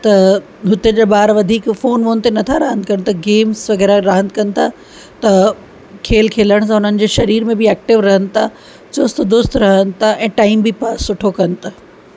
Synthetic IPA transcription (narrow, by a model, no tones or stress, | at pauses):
t̪ɐ | ɦʊt̪əd͡ʑeːbaːɾʋɐd̪ʱiːkfoːnʋoːnɪt̪enɐt̪ʰaɾɐɦə̃nd̪̚kɐnɪ̆t̪ʰaɡeːmsʋɐɡɛːɾaɾɐɦə̃nd̪kɐnɪ̆t̪ʰa | t̪ɐ | kʰeːlkʰeːləɽ̃s̬ãʊn̤ənɪ̆d͡ʑeːʃɐɾiːɾmẽbɪɛːk̚ʈɪʋɾɐɦənɪ̆t̪ʰa | t͡ɕʊst̪d̪ʊst̪ɾɐɦənɪ̆t̪ʰaʔɛ̃ːʈaːɪmbɪpaːsːʊʈʰokɐnɪ̆t̪ʰa